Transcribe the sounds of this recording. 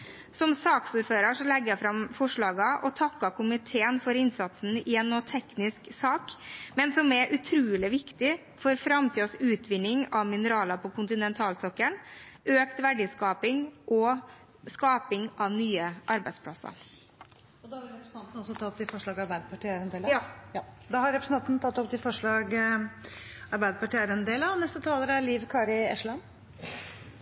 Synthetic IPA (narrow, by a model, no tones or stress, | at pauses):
sɔmsɑːksuːɾføːɾəʂɔlɛɡjæfɾɑmfɔʂɭɑːɡɑʔɔt̪ʰɑkːɑkʰʊmɪt̪ʰeːənfɔɾɪnsɑt̪sn̩ɪɛnːot̪ʰɛknɪsksɑːkmɛnsɔmɛʔʉt̪ʰɾʉːlɪʋɪkt̪ɪ | fɔɾfɾɑmt̪ʰiːɔsʉːt̪ʰʋɪnːɪŋɑʋmɪnəɾɑːlɑpʰɔkʰʊnt̪ɪnɛnt̪ʰɑːlsɔkːəɳ | ʔøːkt̪ʋæɖɪskɑːpɪŋʔɔ | skɑːpɪŋɑʋnyːəʔɑɾbæɪd̪spʰlɑsɑ̰ | ɔd̪ɑhɾɾɛpɾəsn̩t̪ɑnt̪n̩ɔsɔt̪ʰɑɔp̚ːt̪ɪlfɔʂɭɑːɡɑɾbæɪd̪əpɑʈiːæɾɛnd̪eːljɑd̪ɑhɑɾɛpɾəs̩n̩ʰɑnt̪nt̪ʰɑt̪ːɔp̚ːt̪ɪlfɔʂɭɑːɡ | ɑɾbæɪd̪əpɑʈiːəɾɛnd̪eːlɑɔnɛst̪ət̪ʰɑːləɾæliːʋkʰɑːɾɪɛ̰ʂɭɑn